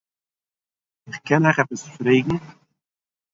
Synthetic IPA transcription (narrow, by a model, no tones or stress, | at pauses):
ɪχkʰɛnaχɛpəsfɾeːɡŋ̩